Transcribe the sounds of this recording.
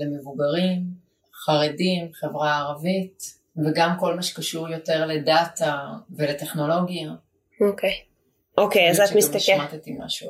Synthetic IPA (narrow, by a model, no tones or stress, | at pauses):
lemevuɡaʁim | χaʁedimχe̞vʁaːʁavit | veɡamko̞lmaʃe̥kaʃuʁjo̞te̞ʁle̞datavelete̞χno̞lo̞ɡija | okʰej | ʔokejazatmist̪aʃmat̪etimːa̰ʃu